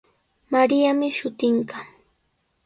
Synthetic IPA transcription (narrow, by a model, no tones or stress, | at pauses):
maɾijamɪʃʊt̪ɪɴɢɑ